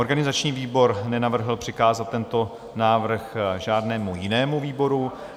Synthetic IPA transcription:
ʔoɾɡanɪzat͡ʃɲiːviːbo̞ɾnɛnavr̩ɦl̩pr̥ɪkaːzat̪̚ːɛnt̪o̞ | naːvr̩xʒaːdnɛːmujɪnɛːmuviːbo̞ɾu

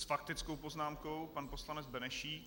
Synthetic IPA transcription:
sfak̚t̪ɪt͡skowpo̞znaːmko̞wpanpo̞slanɛd͡zbɛnɛʃiː

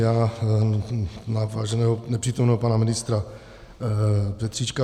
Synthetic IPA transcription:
jaː | navaːʒɛnɛːɦonɛpr̥iːt̪omnɛːɦopanamɪnɪst̪ɾa | pɛt̪r̥iːt͡ʃka

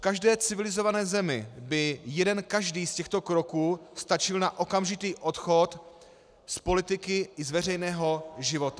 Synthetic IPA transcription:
fkaʒdɛːt͡sɪvɪlɪzo̞vanɛːzɛmɪbɪjɛdɛnkaʒdiːscɛxt̪o̞kɾo̞kuːst̪at͡ʃɪlnaʔo̞kamʒɪt̪iːʔo̞t̪xo̞t̪ | spo̞lɪt̪ɪkɪɪzvɛr̝ɛjnɛːɦo̞ʒɪvo̞t̪a

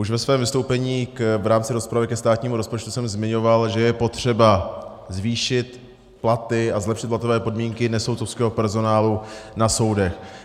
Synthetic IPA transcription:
ʔuʃvɛsvɛːmvɪst̪o̞wpɛɲiːkvɾaːmt͡sɪɾo̞spɾavɪkɛst̪aːt̪ɲiːmuɾo̞spot͡ʃt̪usɛmzmɪɲo̞valʒɛjɛpo̞t̪r̝̥ɛba | zviːʃɪt̪ | plat̪ɪazlɛpʃɪt̪plat̪o̞vɛːpo̞dmiːŋkɪnɛsowt̪t͡sofskɛːɦo̞pɛɾzo̞naːlunaso̞wdɛx

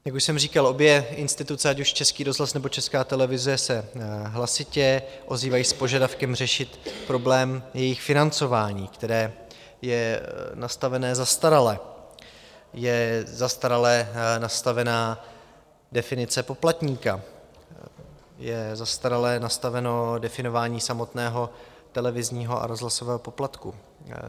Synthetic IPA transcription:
jakuʃsɛmriːkalʔo̞bjɛʔɪnst̪ɪt̪ut͡sɛacuʃt͡ʃɛskiːɾo̞zlasnɛbo̞t͡ʃɛskaːt̪ɛlɛvɪzɛsɛɦlasɪcɛʔo̞ziːvajiːspo̞ʒadafkɛmr̝ɛʃɪt̪pɾo̞blɛːmjɛjɪxfɪnant͡so̞vaːɲiːkt̪ɛɾɛː | jɛnast̪avɛnɛːzast̪aɾalɛ | jɛzast̪aɾalɛnast̪avɛnaː | dɛfɪnɪt͡sɛpo̞plat̪ɲiːka | jɛzast̪aɾalɛnast̪avɛno̞dɛfɪno̞vaːɲiːsamo̞t̪nɛːɦo̞ | t̪ɛlɛvɪzɲiːɦo̞ʔa̰ɾo̞zlaso̞vɛːɦo̞po̞plat̪ku

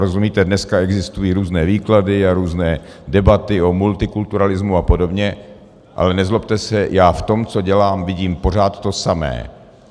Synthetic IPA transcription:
ɾozumiːt̪ɛdnɛskaɛɡzɪst̪ujiːɾuːznɛːviːkladɪaɾuːznɛː | dɛbat̪ɪo̞mult̪ɪkult̪uɾalɪzmuapo̞do̞bɲɛ | ʔa̰lɛnɛzlop̚t̪ɛsɛjaːft̪o̞mt͡so̞ɟɛlaːmvɪɟiːmpo̞r̝aːt̪ːo̞samɛ̰ː

